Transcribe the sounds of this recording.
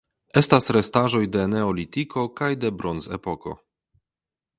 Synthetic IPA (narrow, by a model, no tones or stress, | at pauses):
e̞stasɾestaʒo̞jde̞ne̞olitiko̞kajde̞bɾonzḛpo̞ko̞̰